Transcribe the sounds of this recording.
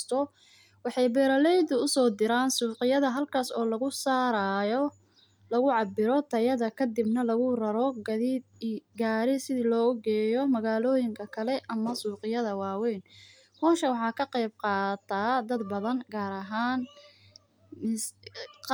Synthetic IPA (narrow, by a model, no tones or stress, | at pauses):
st̪ʰɔ | wɑħɑjbɛːɾɐlɛjd̪ʊʊsɔːd̪ɪɾaːnsuːqɪjɐðɐɦɐlkʰaːsɔːlɐɣʊsaːɾajɔ | lɐɣʊʕɑbɪɾɔt̪ʰɐjɐðɐkʰɐd̪ɪbnɐlɐɣʊrɐɾɔɡɐðiːd̪ɡaːɾɪsɪðiːlɔːɡɛːjɔmɐɣaːlɔːjɪŋkʰɐkʰɐlɛʔɐmɐsuːqɪjɐðɐwɑːwɛn | hʰɔːnʃɐwɑħɑːkʰɐqɛjb̚qɑːt̪ʰaːd̪ɐd̪bɐðɐnɡaːɾɐɦaːn | ɪs